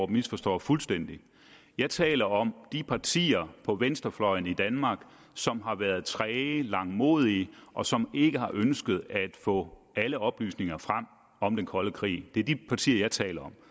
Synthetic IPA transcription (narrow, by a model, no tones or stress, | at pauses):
misfɒ̽sd̥ɒ̰ːfulsd̥en̰d̥i | jɑ̈ɪt͡sʰɛ̰ːlɐɒ̽md̥ipʰɑ̈t͡sʰḭːɐpʰɒ̽ʋensd̥ɐflɒ̽ɪn̩id̥ænmɑ̈ːɡ̥ | sɒ̽mɦɑ̈ʋæɐð̞̩ˠt͡sʰʁɛːlɑ̈ŋmo̝̰ːð̞ˠiəʔɒ̽sɒ̽me̝ɡ̥əhɑ̈ʔønsɡ̥əð̞̩ˠæd̥fɔ̰̽ːæləɒ̽b̥ly̰ːsne̝ŋɐfʁam̰ | ɒ̽md̥enkʰɒ̽ləkʰʁḭːd̥e̝æɐd̥ipʰɑ̈t͡sʰḭːɐjɑ̈ɪt͡sʰɛ̰ːlɐɒ̽m